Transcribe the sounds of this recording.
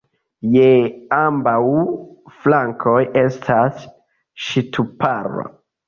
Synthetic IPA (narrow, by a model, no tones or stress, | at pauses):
jeambawflaŋkʰo̞je̞stʰas | ʃitʰupaɾo̰